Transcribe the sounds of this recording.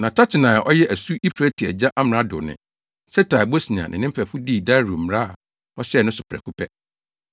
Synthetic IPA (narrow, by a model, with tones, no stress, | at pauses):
nã˨tʰa˦t͡ɕʰɪ˨nãː˨a˨ʔɔ˦jɛ˦ʔæ˨su˦ʔi˦pʰɾɛ˦tʰi˨æ̰˨d͡ʑa˦ʔa˦m˨ɾã˦dʊ̰˨nɪ̰̃˨ | sɛ˦tʰa˨bo˦si˨ɲã̰˨nʔɪ̰̃˨nɪ̃˦fʰɛ˨fʊ˦di˦˨da˦ɾu˨m̩˨mɾa˦˨ | ɔ˦ɕɛ˦˨nʊ̃˦sʊ˨pʰɾɛ̰˨kʰu˦pʰɛ˦